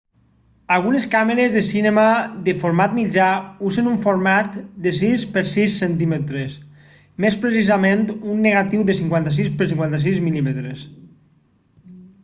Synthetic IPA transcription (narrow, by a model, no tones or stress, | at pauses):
alˠɣuneskameɾezðesinemaðefoɾmat̪̚mid͡ʒauzenuɱfoɾmat̪d̪es̬ispeɾsisːent̪imet̪ɾes | mespɾes̬izamẽnt̪unːeɣ̞at̪iwðesiŋkwant̪as̬ispəɾsiŋkwant̪as̬izmilimet̪ɾes